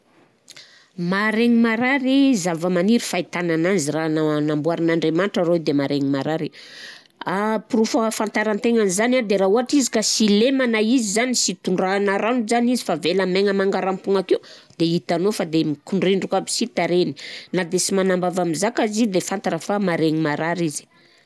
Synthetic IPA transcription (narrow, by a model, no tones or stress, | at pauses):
maɾeŋimaɾaɾizavəmaniɾifait̪anananzirananambuaɾinaɳɖ͡ʐemanʈ͡ʂaɾoid̪emaɾeŋimaɾaɾi | apurufafant̪aɾant̪eŋanizanad̪eɾauɦaʈ͡ʂizi̥kasilemanaizizanisit̪uɳɖ͡ʐanaɾanuzanizifavelameŋəmaŋɡaɾampuŋaked̪eit̪anofad̪emikuɳɖ͡ʐiɳɖ͡ʐukabi̥sit̪aɾeninad̪esimanambavamizakazid̪efant̪aɾafamaɾeŋimaɾaɾizi̥